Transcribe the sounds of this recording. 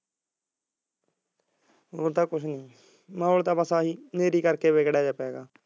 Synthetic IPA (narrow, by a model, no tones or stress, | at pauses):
ot̪aːkʊʃʰnĩː | mãːolt̪ãːpəsaːɦiːneːɾiːkəɾkeːʋeːkɽɛːd͡ʒapɛːɡaː